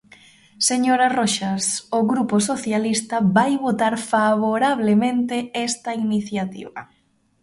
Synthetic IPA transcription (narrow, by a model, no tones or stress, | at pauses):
seɲoɾaroʃasoɣɾuposoθjalist̪ɐβajβot̪aɾfaβoɾaβlemẽnt̪eɛst̪ainiθjat̪ḭβɐ̰